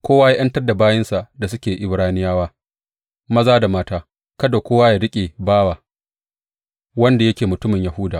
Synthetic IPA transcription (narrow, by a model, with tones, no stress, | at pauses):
kʷoː˦waː˦ja˦ʔɐ˦ntɐ˦rda˨baː˦jɪ˦nsa˨ʔda˨s̬ʊ˦kʲeː˨ʔɪ˨bɾaː˦nɪ˦jaː˦waː˦ | mɐ˦zaː˦da˨maː˦taː˦ | kɐ˦do˨kʷoː˦waː˦jaː˨ɽɪ˦kʲʼeː˨baː˦waː˨ | wɐ˦nda˨jɐ˦kʲeː˨mʊ˨tʊ˦mɪ˨ɲja˨hʊ˦daː˨